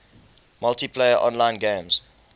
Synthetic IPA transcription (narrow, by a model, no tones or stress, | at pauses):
maltipʰleɪəʔɔ̰̃nlãɪ̃nɡẽmz̥